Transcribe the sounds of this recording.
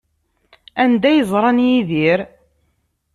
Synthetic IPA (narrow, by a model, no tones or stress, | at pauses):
ænd̪æjəzˤɾˤɑnjiðiɾ